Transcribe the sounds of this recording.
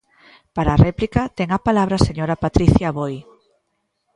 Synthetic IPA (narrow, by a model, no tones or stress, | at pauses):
paɾaːrɛplikɐt̪ɛŋapalaβɾaseɲoɾapat̪ɾiθjaβoj